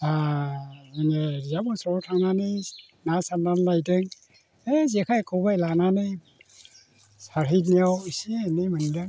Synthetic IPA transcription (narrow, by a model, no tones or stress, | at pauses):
a | iŋeɾzabɔsɔtʰaŋnani | nasamdanlajdɯŋ | ezekʰajkʰɔwbajlananɯ | saɾɦit̬̚niawsinimɯndɯŋ